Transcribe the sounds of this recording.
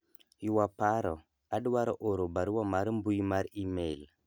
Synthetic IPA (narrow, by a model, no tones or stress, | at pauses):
juwapaɾo | aɗwaɾʔoɾobaɾuwamaɾmbujmaɾimel